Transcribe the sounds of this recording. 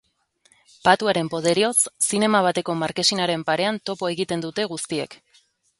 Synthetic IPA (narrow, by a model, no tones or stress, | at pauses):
pat̪uaɾe̞mpo̞ðe̞ɾio̞sːine̞maβ̞at̪e̞ko̞maɾke̞sinaɾe̞mpaɾe̞ant̪o̞po̞e̞ɣit̪e̞nd̪ut̪e̞ɣust̪ie̞̰k